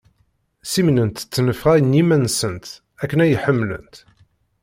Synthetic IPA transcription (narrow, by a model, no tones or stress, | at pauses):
simnənt̪t͡sːnəfʁæjnimænsənt̪ | ækːənæjəħəmːlə̰nt̪